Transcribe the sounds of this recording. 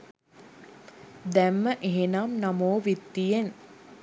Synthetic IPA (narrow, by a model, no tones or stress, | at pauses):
d̪æmːəʔeɦenamnamoːʋit̪ːijen